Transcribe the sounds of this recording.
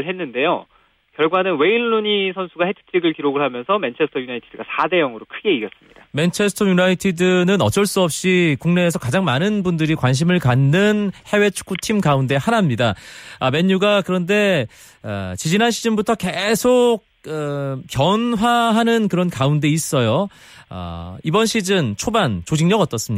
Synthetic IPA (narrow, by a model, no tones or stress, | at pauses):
ɭɦenːɯnde̞jo̰ | kjʌɭɡwanɯnwe̞iɭːuɲisʰʌnsʰuɡahetʰɯ̥tʰiɡɯɭkiɾoɡɯɭhamjʌnsʰʌment͡ɕʰesʰtʰʌjunaitʰid̥ɯɡasʰade̞jʌŋɯɾokʰɯɡe̞iɡjʌs͈ɯmɲid̥ament͡ɕʰe̞sʰɯ̥tʰʌjunaitʰidɯnɯnʌt͡ɕ͈ʌɭs͈uʌp̚ɕ͈ikuŋne̞ːsʰʌkad͡ʑaŋmanɯnbundɯɾikwanɕ̬ʰimɯɭkanːɯnhe̞we̞t͡ɕʰu̥k͈ʰutʰimkaunde̞hanamɲidaame̞ɲːuɡakɯɾʌnde̞ | a̰t͡ɕid͡ʑinɦanɕʰid͡ʑɯnbutʰʌke̞sʰok̚ɯk͈jʌnɦwaɦanɯnkɯɾʌnkaunde̞is͈ʌjo | a̰ibʌnɕʰid͡ʑɯnt͡ɕʰobant͡ɕod͡ʑiŋɲʌɡʌt͈ʌs͈ɯmi